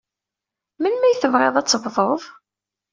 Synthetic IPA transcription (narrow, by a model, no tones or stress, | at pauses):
mənmæjθəvʁeðˤæt͡sːəvðˤoðˤ